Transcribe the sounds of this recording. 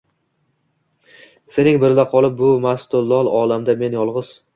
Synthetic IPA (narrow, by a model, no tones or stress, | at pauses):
se̞nɪŋbɪɾɪlaqʰɒlˠɪp̚bʊmast̪ʊlˠːɒlˠɒlamd̪ame̞njɒlˠʁɨz̥